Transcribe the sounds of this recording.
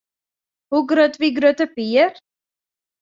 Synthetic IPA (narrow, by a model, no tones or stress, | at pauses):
huɡɾœt̪viɡɾœt̪əpiəɾ